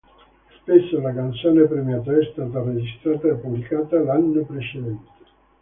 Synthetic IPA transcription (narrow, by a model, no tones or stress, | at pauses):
spesːolakant̪soːnepɾemjat̪̬aɛst̪aːt̪ared͡ʒist̪ɾaːt̪aepːublikaːt̪alanːopɾet͡ʃed̪ɛnt̪e̥